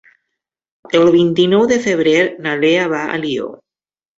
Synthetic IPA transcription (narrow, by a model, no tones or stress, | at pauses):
elβint̪inowðefeβ̞ɾeɾnaleaβaa̰lio̰